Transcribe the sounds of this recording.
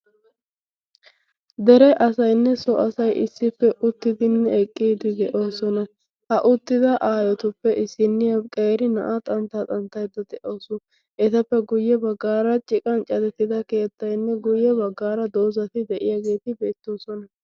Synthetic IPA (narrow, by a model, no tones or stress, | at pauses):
d̪ɛɾɛʔɐsɐjnːɛsɔʔɐsɐjʔɪ̰sːɪpːɛʔʊt̪ːɪd̪ɪnːɛɛkʼːiːd̪ɪd̪ɛʔo̞ːsɔnɐ | hɐʔʊt̪ːɪd̪ɐʔaːjɔt̪ʊpːɛʔɪsːɪnːɪjɐkʼeːɾɪnɐ̰ʔat̪ʼɐnt̪at̪ʼɐnt̪ːɐjd̪ɐd̪ɛʔoːsʊ | ʔɛt̪ɐpːɛɡʊjːɛbɐɡːaːɾɐt͡ʃʼɪkʼɐnt͡ʃʼɐd̪ɛt̪ːɪd̪ɐke̞ːt̪ːɐjnːɛɡʊjːɛbɐɡːaːɾɐd̪oːzɐt̪ɪd̪ɛʔɪjaɡe̞ːt̪ɪbe̞ːt̪ːo̞ːsɔnɐ